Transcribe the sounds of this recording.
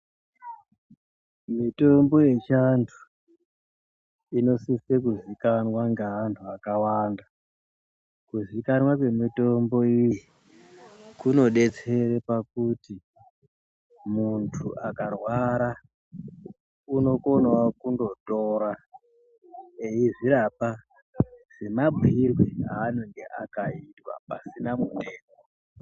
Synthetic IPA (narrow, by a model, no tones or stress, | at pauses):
mito̞mbo̞je̞t͡ʃantʰu̥ | ino̞sisek̬uzikanwaŋɡeɦantʰuakawaːnda | kuzikanwakwe̞mito̞mbo̞iji | kuno̞ɗe̞t͡se̞ɾepakuti | muntʰuʔakarwaɾa | uno̞ko̞nwakundo̞toːɾa | e̞iʐiɾapa | z̥e̞mab͡vʱirweɦa̰ːnoŋɡe̞ʔa̰kaitwa̰pa̰sinamundeːko